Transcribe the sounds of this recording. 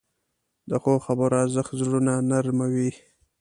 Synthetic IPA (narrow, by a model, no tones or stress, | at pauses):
d̪əxoxabəɾazəxt̪zɾunanaɾmawi